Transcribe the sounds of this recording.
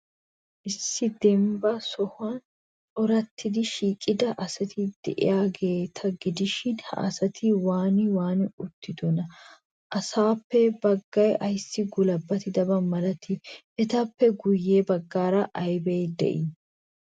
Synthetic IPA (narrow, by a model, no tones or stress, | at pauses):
ʔɪsːɪd̪ɛmbɐsɔhʊan | ɔɾɐt̪ʰːɪd̪ɪʃiːkʼːɪd̪ɐʔɐsɐt̪ʰɪd̪̥ɛ̰ʔɪ̰jaːɡe̞ːt̪ʰɐɡɪd̪ɪʃɪnhɐ̰ʔɐ̰sɐt̪ʰɪwaːnɪwaːnɪʊt̪ːɪd̪ɔnɐ | ʔɐsaːpːɛbɐɡːɐjɐjsːɪɡʊlɐbːɐt̪ɪd̪ɐbɐmɐlɐt̪ʰɪʔɛt̪ɐpːɛɡʊjːeːbɐɡːaːɾɐʔɐjbejd̪ɛ̰ʔɪ